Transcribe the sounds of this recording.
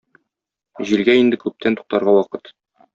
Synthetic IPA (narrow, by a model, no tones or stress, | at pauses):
ʑilɡæind̪ɘkʉp̚t̪ʰænt̪u̥q̚t̪ɑɾʁɑwɒqɤt̪